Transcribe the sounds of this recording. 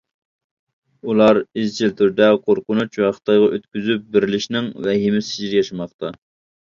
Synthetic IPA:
ulˠɑɾizt͡ʃʰilt̪ʰyɾd̪ɛqʰoɾqʊnut͡ʃæχə̥t̪ʰːɑjʁɑʔøt̪kʲyzyp̚bɪɾɪlɪʃnɪŋvɛɦemɪsd͡ʒiɾɪjɑʃɑmɑχt̪ʰɑ

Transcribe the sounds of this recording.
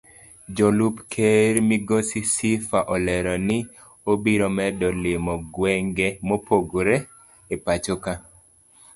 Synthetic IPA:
d͡ʒɔlupkʰeɾmiɡosisifaʔɔlɛɾɔnɪ | obiɾɔmɛdɔlɪmɔɡwɛŋɡɛmopoɡoɾɛ | epat͡ʃoka

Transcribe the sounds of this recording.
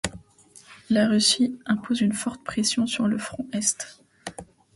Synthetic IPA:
laʁysiɛ̃pozynfɔʁt̪pχesjɔ̃syʁləfχɔ̃ɛst̪

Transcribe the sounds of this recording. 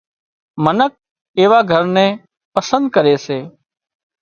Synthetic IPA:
mənək̚ | eːʋaːɡʱəɾnɛ̃ː | pəsə̃nd̪̚kəɾeːseː

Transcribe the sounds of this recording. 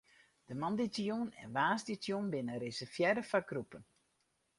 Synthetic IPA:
d̥əmɑnditjunɛ̰nʋaːsditjunbɪnəɾɪsəfjɛdəfaɡrupən

